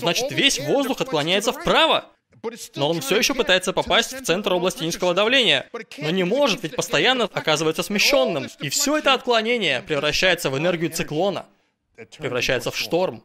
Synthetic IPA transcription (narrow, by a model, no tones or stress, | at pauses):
znat͡ɕɪ̥t̪vʲesʲvo̞zd̪ʊxɐt̪̚klˠɐnʲæjɪt̪səfpɾavə | no̞o̞nfsʲojɪɕːopɨt̪ajɪt̪səpɐpasʲtʲft̪sɛnt̪ɾoblˠɐsʲtʲɪinskəvəd̪ɐvlʲenʲɪjə̰no̞nʲɪmo̞ʐɨt̪vʲɪtʲpəst̪ɐjanːəɐkazɨvəjɪt̪səsmʲɪɕːo̞nːɨmifsʲo̞ɛt̪əɐt̪̚klˠɐnʲenʲɪjəpɾʲɪvɾɐɕːæjɪt̪səvɨnɛrɡʲɪjʊt̪sɨklˠo̞nə̰ | pɾʲɪvɾɐɕːæjɪt̪səfʂt̪o̞rm